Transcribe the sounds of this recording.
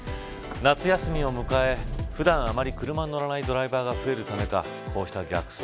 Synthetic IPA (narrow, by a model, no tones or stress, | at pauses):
nat͡sɨjasɨmʲio̞mɯ̟kae̞ɸɯ̟d̪ãɰ̃amaɾʲikɯ̟ɾɯ̟mannːoɾanaid̪o̞ɾaibaːɡaɸɯ̟e̞ɾɯ̟t̪ame̞ka | kʰo̞ːɕi̥t̪aɡʲa̰kɯ̥so